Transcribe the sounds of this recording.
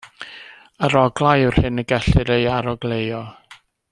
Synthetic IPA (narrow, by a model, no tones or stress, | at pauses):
əɾɔɡlˠajɨr̥hɨnəɡɛɬɨɾejaɾɔɡlejɔ